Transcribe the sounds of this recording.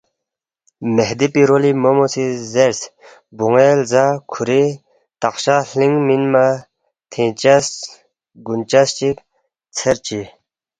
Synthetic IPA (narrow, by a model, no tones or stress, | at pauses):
məɦd̪epiɾolimomosʰizers | boŋelzakʰuɾe | t̪aχɕaɬeŋminma | t̪ʰent͡ɕas | ɡunt͡ɕat͡ɕək̚ | t͡sʰərt͡ɕi